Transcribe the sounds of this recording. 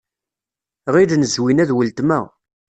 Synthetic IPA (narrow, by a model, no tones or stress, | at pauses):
ʁid̪nəzwinæðwəlt̪mæ